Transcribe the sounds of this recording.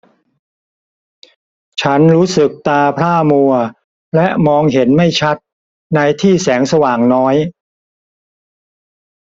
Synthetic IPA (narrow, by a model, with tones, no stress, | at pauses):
t͡ɕʰa˦˥nɾuː˦˥sɯ˨˩k̚t̪aː˧pʰɾaː˥˩mu˧ɐ | lɛ˦˥ʔmɔː˧ŋɦe˩˦nma˥˩jt͡ɕʰa˦˥t̪̚ | na˧jt̪ʰiː˥˩sɛː˩˦ŋsa˧waː˨˩ŋnɔː˦˥j